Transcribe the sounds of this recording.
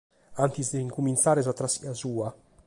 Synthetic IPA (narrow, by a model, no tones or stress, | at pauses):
aŋk̪isd̪eiŋkumint̪saːɾezat̪ːɾasiasuːa